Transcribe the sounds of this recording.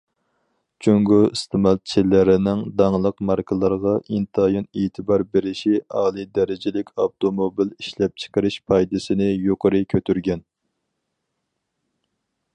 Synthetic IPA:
t͡ʃʰyŋɡuist̪ʰɨmɑlˠt͡ʃʰɪlɪɾɪnɪŋd̪ɑŋlˠəqmɑɾkʰəlˠɑɾʁɑʔint̪ʰɑjɑneːt̪ʰɨbɑɾbeɾɪʃiɑːlˠɨd̪ɛɾɪd͡ʒɪlɪkʲɑbt̪ʰomobiliʃlɛp̚t͡ʃʰə̥qəɾɪʃpʰɑjd̪ɪsɪnɪjoqəɾɨkʲʰøt̪ʰyɾɡʲɛn

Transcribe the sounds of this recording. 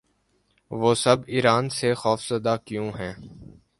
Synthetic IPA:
ʋoːsɐbiːɾaːnsexɔːfsəd̪akjũɦɛ̃ː

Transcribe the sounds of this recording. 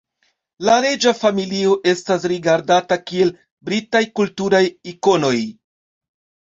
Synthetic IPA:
laɾe̞d͡ʒafamilio̞ʔe̞stas̬ɾiɡaɾdatakie̞l | bɾitajkultuɾajiko̞no̞j

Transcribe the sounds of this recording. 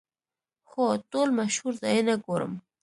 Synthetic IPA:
xot̪olmaʃhuɾzajenaɡoɾə̰m

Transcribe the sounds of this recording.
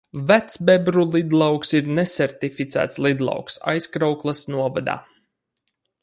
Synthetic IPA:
væt̪sbɛbɾulˠid̪lˠɑwksiɾnɛsɛɾt̪ifit̪sæ̰ːt̪slˠid̪lˠɑ̰wksa̰jskɾawklˠasnuɔva̰d̪a̰ː

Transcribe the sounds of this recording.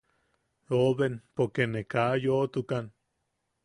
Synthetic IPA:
oβenpokenekaʔjoʔt̪ukan

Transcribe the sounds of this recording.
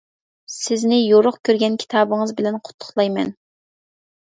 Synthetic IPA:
sɪznɪjoɾʊχkʲʰøɾɡʲɛnkʲʰi̥t̪ʰɑːbəŋəzbɪlɛnqʰʊ̥t̪ʰːʊ̥χlˠɑjmɛ̰n

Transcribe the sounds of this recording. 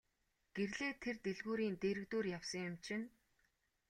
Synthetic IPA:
ɡ̥erɮeːt̪ʰert̪eɮɣuːɾiːnt̪eːɾɘ̆kt̪uːrjawsə̆ŋjʊ̆mt͡ɕʰɪ̆n

